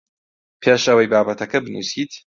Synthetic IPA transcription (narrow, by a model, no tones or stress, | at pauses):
pʰeːʃɐwɐjbaːbɐt̪ɐkɐbɨnṵsiːt̪